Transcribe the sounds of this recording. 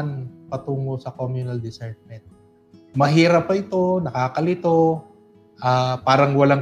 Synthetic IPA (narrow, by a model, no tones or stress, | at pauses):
npɐt̪uːŋosɐkomjʊnɐld̪ɪsɛɾt̪̚mɛnt̪̚ | mɐɦiːɾɐpːɐʔɪt̪o̞nɐkaːkɐlɪt̪o̞ | ʔaːpaːɾɐŋwɐlaŋ